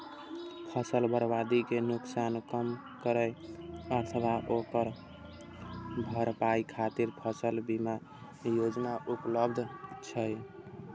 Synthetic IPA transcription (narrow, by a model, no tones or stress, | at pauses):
pʰəsəlbəɾbad̪ikenuksankəm | kəɾəɪəɾt̪ʰəbaʔokəɾ | bʱəɾpajkʰat̪iɾpʰəsəlbima | jod͡ʒnaʔupləbd̪ʱt͡ʃʰəj